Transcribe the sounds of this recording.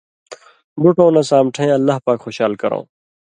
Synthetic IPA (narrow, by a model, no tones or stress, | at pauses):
buʈõːnɐsãːmʈʰẽːɐlːaːpaːkxoːɕaːlkɐɾõ̰ː